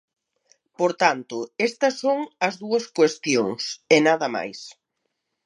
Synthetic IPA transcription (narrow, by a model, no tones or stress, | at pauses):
poɾt̪ant̪ʊest̪ɐsːoŋɐzðuɐskwest̪joŋsenaðɐma̰js